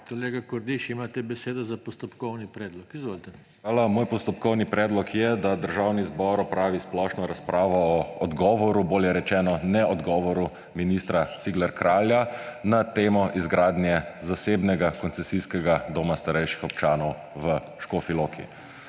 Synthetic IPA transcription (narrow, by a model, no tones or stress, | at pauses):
kɔleːɡakɔɾd̪iʃimat̪ɛbɛseːd̪ɔzapɔst̪ɔpkɔwnipɾɛːd̪lɔkizʋoːlt̪ɛ | aːlamoːjpɔst̪ɔpkɔwnipɾɛːd̪lɔkʰjɛd̪ad̪əɾʒaːwnizbɔːɾɔpɾaːʋisplɔʃnɔɾaspɾaːʋɔːɔd̪ɡɔːʋɔɾuboːljɛɾɛt͡ʃɛːnɔnɛɔd̪ɡɔːʋɔɾu | minist̪ɾat̪siɡlɛɾkɾaːljanat̪eːmɔʔizɡɾaːd̪njɛzaseːbnɛɡakɔnsɛsiskɛɡad̪oːmast̪aɾɛjʃixɔpt͡ʃaːnɔw | ʋə | ʃkoːfiloːkʰḭ